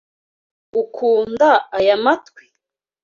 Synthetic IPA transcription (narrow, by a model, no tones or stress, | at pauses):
ukʰuːndaajamatkwi̥